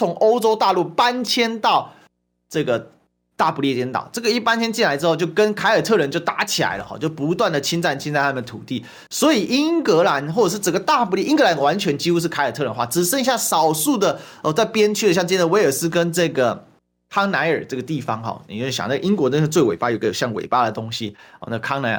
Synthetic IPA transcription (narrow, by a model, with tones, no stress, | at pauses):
t͡sʰʊ˧˦˥ŋʔo˥ʊʈ͡ʂo˥ʊt̪a˥˧lu˥˩pa˥nt͡ɕʰjɛ˥nt̪ɑ˥˧ʊ | ʈ͡ʂɤ˥˩ɡə˩ | t̪a˥˩pu˧˥liɛ˥˩t͡ɕ̪jɛ˥nt̪ɑ̰˨˩˦ʊʈ͡ʂɤ˥˩ɡə˩i˥˩pa˥nt͡ɕʰjɛ˥nt͡ɕi˥˩nla˧˦ɪʈ͡ʂɻ̩˥xo˥˧ʊt͡ɕjo˥˩ʊkə˦nkʰa˧˥ɪə˞˨˩t̪ʰɤ˥˩ɻə˧˦nt͡ɕjo˥˩ʊt̪a˧˥t͡ɕʰi˨˩la̰˧˦ɪlə̰˧xɔ̰˥˩t͡ɕjo˥˩ʊpu˧˥t̪wa˥˩nd̪ə˩t͡ɕʰi˥nt͡sa˥˩nt͡ɕʰnt͡sa˥˧ɪa˥mə˨nd̪ə˩t̪ʰu˨˩t̪i˥˩ | swɔ˧˥i˨˩ʔi˦˥ŋkə˧˥la˧˥nxwɔ˥˩˨ʂɻ̩˥˩t͡sə˨˩ŋɡə˩˦t̪a˥˧pu˧˥iɛ˥˩ʔi˥ŋkɤ˧˥la˧˥nwa˧˥nt͡ɕʰɥɛ˧˥nt͡ɕi˥xu˥ʂ̬ɻ̩˥˩kʰa˧˥ɪə˨˩t̪ʰə˧˦nxwa˥˩ʈ͡ʂɻ̩˨˩ʂə˥˧ŋi˦ɕja˥˩sɑ˨˩ʊsu˥˩d̪ə˩ə˧˩t͡sa˥˩ɪpjɛ˥nt͡ɕʰy˥d̪ə˩ɕjɑ˥˧ŋʈ͡ʂjɛ˥d̪ə˨we˧ɪə˞˨˩ʂɹ̩˥˧kə˦nʈ͡ʂɤ˥˩ɡə˩ | kʰɑ˥ŋna˧˥ɪə˞˨˩ʈ͡ʂɤ˥˩ɡə˩t̪i˥˩fɑ˧˥ŋxɔ̰˨˩ni˨˩o˥˩˥ɕjɑ̰˨˩n˥˩ə˩i˥ŋkwɔ˧˥t̪ə˥˧t͡swe˥˩ɪwḛ˨˩pa˥˩o˨˩˧ɡə˧jo˨˩ɕjɑ˥˩ŋwḛ˨˩ɪpa˥˧də˩t̪o˥ŋɕi˦ɔ̰˧na˥˩ə˨kʰɑ˥ŋna˧ɪə̰˩